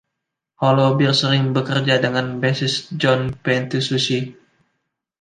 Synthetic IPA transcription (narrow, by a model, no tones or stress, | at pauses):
hɔlobɪrsəɾɪŋbəkərd͡ʒadəŋanbɛsɪsd͡ʒɔnpɛnt̪ususi